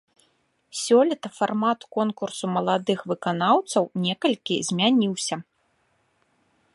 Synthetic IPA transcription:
sʲɔlʲit̪ɐfarmat̪kɔnkursumɐlˠad̪ɨxvɨkanawt̪sɐwnʲɛkɐlʲkʲizʲmʲanʲiwsʲɐ

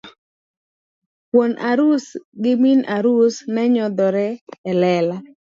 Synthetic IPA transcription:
pwonʔaɾusɡɪminʔaɾusnɛɲɔd̪ɔɾɛːlɛla

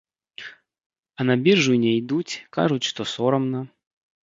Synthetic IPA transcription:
ɐnabʲirʐujnʲɛjd̪ut͡sʲka̰ʐut͡sʲʂt̪ɔsɔɾɐmnɐ

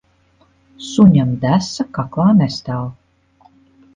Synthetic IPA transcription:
suɲʲamd̪æsakaklˠaːnɛst̪aːlˠ

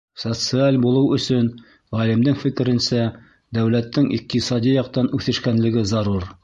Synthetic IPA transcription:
sot̪sɨalʲbulˠɤwɵ̆sɵn | ʁɑlɘ̆md̪ɘŋfɘ̆kɘ̆ɾɘ̆nsæ | d̪æwlæt̪ːɘŋʔḭq̚t̪isɑd̪ʲijɑqt̪ɑnʉθɘ̆ʃkænlɘ̆ɡɘzɑɾuɾ

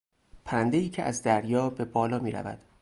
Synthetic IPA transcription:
pʰænd̪e̞iːcʰeʔæzd̪æɾjɒːbe̞bɒːlɒːmiːɾæ̰væ̰d̪̥

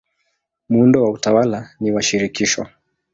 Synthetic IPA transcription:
muundɔwautawalaniwaʃiɾikiʃɔ̰

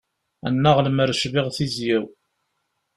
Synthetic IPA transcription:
æ̰nːaʁləməɾəʃviʁθizjæw

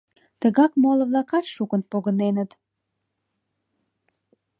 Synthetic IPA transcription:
t̪əɣɑkmolə̆βlɑkɑt̪ʃukənpoɣənenət̪

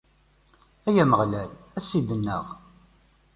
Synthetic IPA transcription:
æjæməʁlælæsid̪ənːə̰ʁ

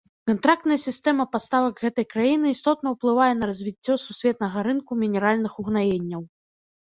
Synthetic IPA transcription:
kant̪ɾak̚t̪nɐjɐsʲist̪ɛmɐpast̪avɐɡɣɛt̪ɐjkɾajinɨːst̪ɔt̪nɐwplˠɨvajɛn̪ɐɾɐzʲvʲit͡sʲːɔsusʲvʲɛt̪nɐɣɐɾɨnkumʲinʲɛɾalʲnɨxuɣnajenʲːɐw

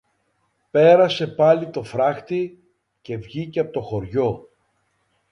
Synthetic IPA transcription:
pe̞ɾɐse̞pɐlit̪o̞fɾɐxt̪i | ce̞vʝiceɐpot̪o̞xo̞ɾʝo̞

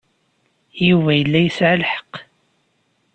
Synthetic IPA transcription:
juvæjəlːæjəsʕəlħə̥q

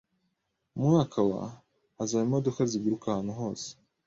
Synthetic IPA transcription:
muŋakʰawa̰ | azaimodukazibɡiɾukahaːn̥uɦo̞ːse̥

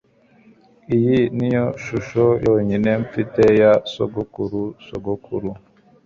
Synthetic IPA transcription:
ijinijoʃuʃojoːɲineɱfitejaso̰ɡukuɾusoɡokʰuɾu

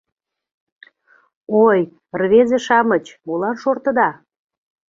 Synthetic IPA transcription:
oj | rβezĕʃɑmət͡ɕmulɑnʃort̪ə̆d̪ɑ

